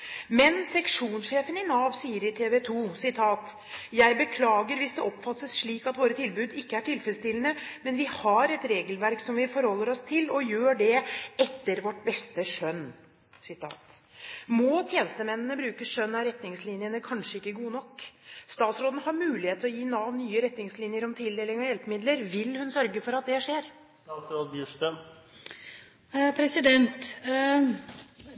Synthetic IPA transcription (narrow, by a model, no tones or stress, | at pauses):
mɛnsɛkʂuːnsʂeːfənɪnɑːʋsiːəɾɪt̪ʰeːʋɛt̪ʰuːsɪt̪ʰɑːt̪ | jæɪbəkʰlɑːɡəɾʋɪsd̪ɛʔɔpːfɑt̪səsʂɭiːkɑt̪ʋoːɾət̪ʰɪlbʉːd̪ɪkːəæʈʰɪlfɛɾst̪ɪlənəmɛnʋɪhɑɾɛt̪ɾeːɡəlʋæɾksɔmʋɪfɔɾhɔlːəɾɔst̪ʰɪlɔjøːɖɛɛt̪ːəɾʋɔʈbɛst̪əʂœn | sɪt̪ʰɑ̰ːt̪mɔt̪ʰjeːnəst̪əmɛnːənəbɾʉːkəʂœnːɑɾɛt̪nɪŋslinɪənəkʰɑnʂəɪkːəɡuːənɔkːst̪ɑːt̪sɾoːd̪ənhɑːɾmʉːlɪheːt̪ʰlɔjiːnɑʋnyːəɾɛt̪nɪŋslinjəɾɔmt̪ʰɪld̪eːlɪŋɑjɛlpəmɪd̪ləɾʋɪlhʉnsœɾɡəfɔɾɑt̪̚d̪ɛʂeːɾ | st̪ɑːt̪sɾoːd̪bjʉʂʈən | pʰɾɛsɪd̪ɛnt̪